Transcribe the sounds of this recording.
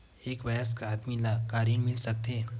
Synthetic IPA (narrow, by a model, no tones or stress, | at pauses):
eːkʋɐjaskaad̪milakaːɾinmɪlsɐk̚t̪eː